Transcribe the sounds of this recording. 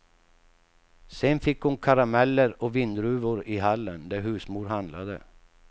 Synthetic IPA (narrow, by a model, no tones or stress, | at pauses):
sɛnfɪkːhʊnkʰaɾamɛlːəɾɔvɪnd̪ɾʉ̟ːvʊɾɪɦalːənd̪æɾɦʉ̟ːsmuːɾɦand̪la̰d̪ə̰